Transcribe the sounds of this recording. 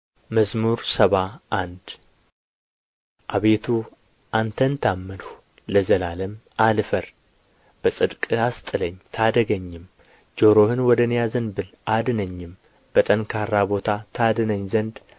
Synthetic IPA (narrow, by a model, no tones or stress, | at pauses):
məzmuɾsəβaʔand̪ | ʔaβe̞t̪ʰu | ʔant̪ʰənt̪ʰamːənh | ləzəlaləmʔalfəɾ | b̥əsʼɨd̪kʼɨast̪ʼɨləɲːt̪ʰad̪əɡəɲːɪm | d͡ʒo̞ɾo̞hɨnwɔd̪ənjazɨnbɨlʔad̪ɨnəɲːɪm | b̥ət̪ʼənkʰaɾːabo̞t̪ʰat̪ʰad̪ɨnəɲːzənd̪